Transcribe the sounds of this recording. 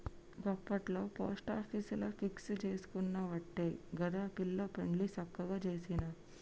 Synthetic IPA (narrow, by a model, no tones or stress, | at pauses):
ɡɔpːɐʈlo̞ːpoːsʈaːpʰiːsulopʰikst͡ʃe̞ːsu̥kunːɐʋɐʈːeɡɐɾapilːoːpeɳɖlisɐkːɐɡaːt͡ʃe̞ːsinɐ